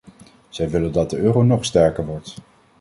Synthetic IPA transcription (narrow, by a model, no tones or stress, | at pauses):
z̥ɛjʋɪləndɑt̚dəøːrownɔχstɛɹkəɹʋɔɹt